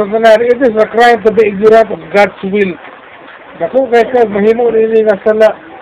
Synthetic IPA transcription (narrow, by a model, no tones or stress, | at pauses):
at̪ananɪt̪ɪs̬əkɾajmt̪ubiɪɡ̚nɔɾãnt̪ɔfɡadswɪl | nak̪ʊʔkajkaɡ̚maɦiːmoʔniniŋasalaʔ